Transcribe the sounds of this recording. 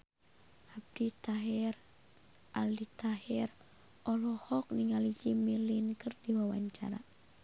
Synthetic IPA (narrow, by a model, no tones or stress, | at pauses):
hab̚dit̪aɦɛr | ʔalit̪aɦɛr | ɔlɔhɔk̚niŋalid͡ʒimilinkərdiwawa̰ɲt͡ʃa̰ɾa̰